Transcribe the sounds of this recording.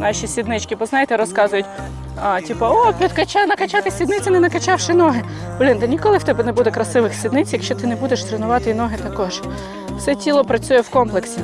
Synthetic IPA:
nɑʃʲisʲid̪nɪt͡ʃkʲɪbɔznɑjet̪ɛɾɔskɑzʊjʊtʲ | atʲipɐɔpʲid̪kɐt͡ʃanɐkɐt͡ʃɑt̪ɪsʲid̪nɪt͡sʲɐnɛnɐkɐt͡ʃɑwʃɪnɔɦɪ | blʲind̪ɛnʲikɔlˠɪwt̪ɛbɛnɛbud̪ɛkɾɐsɪʋɪxsʲid̪nɪt͡sʲjɐkʃt͡ʃɔt̪ɪnɛbud̪eʃt̪ɾenʊʋɑt̪ɪinɔɦɪt̪ɐkɔʒ | w̥sɛtʲilˠɔpɾɐt͡sʲujɛwkɔmplˠeksʲi

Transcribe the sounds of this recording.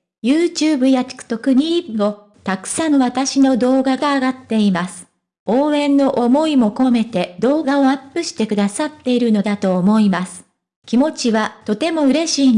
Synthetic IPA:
jɯːt͡ɕɨːbɯ̟jat͡ɕi̥kɯ̟̥t̪o̞kɯ̟ɲ̟iɡo̞ | t̪akɯ̟̥sanoβat̪aɕino̞d̪o̞ːɡaɡaːɡat̪ːe̞imasɨ̥ | oːẽ̞nːo̞ʔomo̞imo̞ko̞me̞t̪e̞d̪o̞ːɡao̞apːɯ̟ɕi̥t̪e̞kɯ̟d̪asat̪ːe̞iɾɯ̟no̞d̪at̪o̞ːmo̞imasɨ̥ | kʲimo̞t͡ɕiβat̪o̞t̪e̞mo̞ɯ̟ɾe̞ɕiː

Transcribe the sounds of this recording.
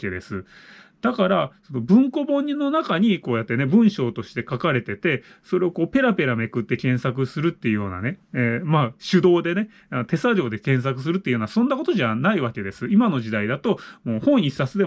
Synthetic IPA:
ked̪e̞sɨ | d̪̥akaɾaso̞no̞bɯ̟̃ŋko̞bõ̞ɲ̟ːinːo̞nakaɲ̟iko̞ːjat̪ːe̞ne̞bɯ̟̃ɰ̃ɕo̞ːt̪o̞ɕi̥t̪e̞kakaɾe̞t̪e̞t̪e̞ | so̞ɾe̞o̞ko̞ːpe̞ɾape̞ɾame̞kɯ̟t̪ːe̞kẽ̞ɰ̃sakɯ̟sɨɾɯ̟t̪ːe̞iɯ̟jo̞ːna̰ne̞maːɕɨd̪o̞ːd̪e̞ne̞ | anot̪e̞saɾo̞ːd̪e̞kẽ̞ɰ̃s̬akɯ̟s̬ɨɾɯt̪ːeiɯjonasõ̞nːako̞t̪o̞ʑaanaiβake̞d̪e̞sɨimano̞ʑid̪aid̪at̪o̞moːhõ̞ɰ̃i̥sat͡sɨd̪e

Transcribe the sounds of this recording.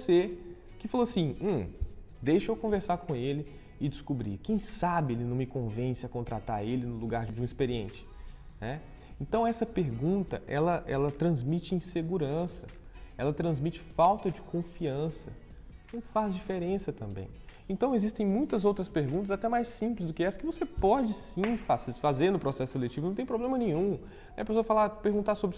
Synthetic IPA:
ose | kɪfaloasĩ | d̪ejʃʊewkõveɾsaɾkõelɪ | ɪd͡ʒɪskubɾḭkẽj̃sabɪelɪnɐ̃w̃mɪkõvẽsɪɐkõnt̪ɾat̪aɾelɪnʊluɡaɾd͡ʒd͡ʒɪũispeɾiẽnt͡ʃɪ̥ | nɛ | ẽnt̪ɐ̃w̃ɛsɐpeɾɡũnt̪ɐ̰ʔɛlɐʔɛlɐt̪ɾɐ̃zmit͡ʃɪĩseɡuɾɐ̃sɐɛlɐt̪ɾɐ̃zmit͡ʃɪ̥fawt̪ɐd͡ʒɪkʰõfiɐ̃sɐ | nɐ̃fazd͡ʒifeɾẽsɐt̪ɐ̃mbḛ̃j̃ẽnt̪ɐ̃w̃ezist̪ẽj̃mũj̃t̪ɐzowt̪ɾɐspeɾɡũnt̪ɐzat̪ɛmajsĩplɪzd̪ʊkɪɛsɐ̥kɪvosepɔd͡ʒɪsĩfasfazeɾnʊpɾosɛsʊ̥selet͡ʃivnɐ̃t̪ẽj̃pɾoblẽmɐnẽɲ̃ũ | ɛ̃jɐpesoɐfalapeɾɡũt̪asobɾɪ

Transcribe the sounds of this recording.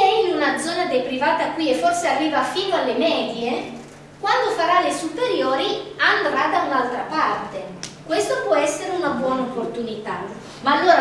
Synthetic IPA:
ɛiunad̪zːɔːnad̪ejpɾivaːt̪akːwiefːorsearːiːvafiːnoalːemɛːd̪je | kwand̪ofaɾalesupeɾjoːɾiand̪ɾad̪aunalt̪ɾapart̪ekwest̪opwɔɛsːeɾeunabwɔːnaopːort̪unit̪a | maːlːoːɾa

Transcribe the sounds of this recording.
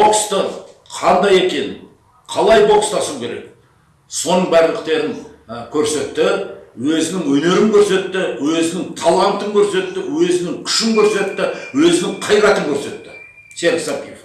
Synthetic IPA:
bo̞kst̪ə | qʰɑnd̪ɑje̞kʲe̞nɪ | qʰɑlˠɑjbo̞kst̪ɑsuwkʲʰeɾe̞̰k̚ | so̞nəɴbæɾlɪqt̪e̞ɾɪŋkʲʰɵɾse̞t̪ːɪwɵzɪnɪŋwɵne̞ɾɪŋkʲʰɵɾse̞t̪ːɪwɵzɪnɪŋt̪ʰɑlˠɑnt̪əŋkʲʰɵɾse̞t̪ːɪwɵzɪnɪŋkʲʰʏ̥ʃɪŋkʲʰɵɾse̞t̪ːɪwɵzɪnɪŋqʰɑjɾɑt̪əŋkʲʰɵɾse̞t̪ːɪ̥ | seɾd̪sɑpif

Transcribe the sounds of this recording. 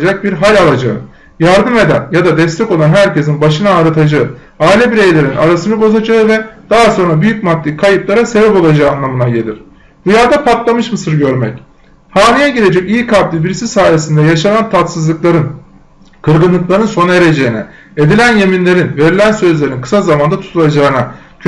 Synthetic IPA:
d͡ʒak̚biɾɦalʲalˠad͡ʒa̰ɯ̰ | jaɾd̪ɯme̞d̪æ̰njad̪ad̪ɛst̪ʰɛko̞lˠanɦæɾce̞s̬inbaʃɯnaːɾat̪ʰad͡ʒaɯ | aːilʲɛbiɾe̞jlʲe̞ɾinʔa̰ɾasɯnɯbo̞zad͡ʒaɯvɛd̪̥aɦaso̞nɾabyjyc̚mat̪ːikʰajɯplˠaɾase̞bɛpo̞lˠad͡ʒaːɯːnlˠamɯnaɟe̞lʲḭɾ̥ | bujaːd̪apʰat̪lˠamɯʃmɯsɯɾɟø̞ɾmɛ̰c | haːnijɛɟiɾʲe̞d͡ʒɛcijkʰablʲibiɾisisaːjesind̪ɛjaʃanant̪ʰat̪sɯzlˠɯklˠaɾɯn | kʰɯɾɡɯnlˠɯklˠaɾɯnso̞ne̞ɾe̞d͡ʒe̞jinɛ | e̞d̪ilʲænje̞minlʲe̞ɾinve̞ɾilʲænsø̞zlʲe̞ɾinkʰɯ̥sazamand̪at̪ʰu̥t̪ulˠad͡ʒaːɯna

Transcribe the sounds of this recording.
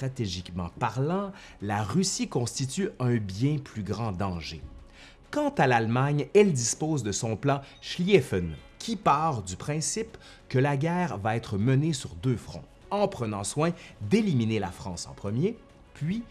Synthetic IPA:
ʁat̪eʒikmɑ̰̃paʁlɑ̃ | laʁysikɔ̃st̪it̪yœ̃bjɛ̃plyɡʁɑ̃d̪ɑ̃ʒe | kɑ̃t̪alalmaɲɛld̪ispoːzd̪əsɔ̃plɑ̃ʃliɛfɛnkʲʰipaːʁd̪ypχɛ̃sip | kəlaɡʲɛːʁvaɛːt̪χəmənesyʁd̪øːfχɔ̰̃ | ɑ̃pχənɑ̃swɛ̃d̪eliminela̰fχɑ̃sɑ̰̃pχəmje | pʰɥi

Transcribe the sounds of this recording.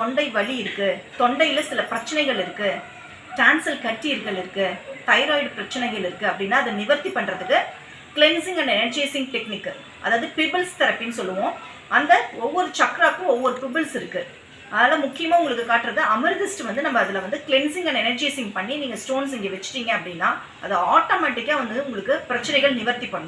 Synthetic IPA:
t̪ɔɳɖɐɪʋɐɭiɪɾɯkːɯt̪ɔɳɖɐɪɪlɐsɪlɐpɪɾɐt͡ʃːɐnɐɪɣɐɭɪɾɯkːɯ | ʈaːnsɐlkɐʈːiɪɾɣɐɭɪɾɯkːɯt̪ɐɪɾaːɪɖpɪɾɐt͡ʃːɐnɐɪɣɐɭɪɾɯkːɯɐpːɐɽɪnːaːɐðɐnɪʋɐɾt̪ipːɐɳːɾɐðɯkːɯ | kɭɛnsɪŋɡɐnːɐɛnɐɾd͡ʒeːsɪŋɡʈɛknɪkːɯ | ʔɐ̰ðaːʋɐðɯpɪbɪlst̪ɐɾɐpːɪnːɯs̬ɔlːɯʋõː | ʔɐnd̪ɐɔʋːɔɾɯt͡ʃɐkːɾaːkːɯ̃ɔʋːɔɾɯpɪbɪlsɪɾɯkːɯ | ʔɐðaːlɐ̃mʊkːɪjɐmaːʊŋɡɐɭɯkːɯkaːʈːɾɐðɯɐmɐɾɡɪsʈʋɐnd̪ɯnɐmːɐːðɪlɐʋɐnd̪ɯkɭɛnsɪŋɡɐnːɖɛnɐɾd͡ʒeːsɪŋɡpɐɳːiniːŋɡɐsʈoːns̬ɪŋɡeːʋɛt͡ʃːɯ̥ʈːiːŋɡɐɐpːɐɽɪnːaː | ʔɐðɯaːʈoːmaːʈːɪkːaːʋɐnd̪ɯʊŋɡɐɭɯkːɯpɪɾɐt͡ʃːɐnɛɪɣɐɭnɪʋɐɾt̪ipːɐɳɐnʊ̃

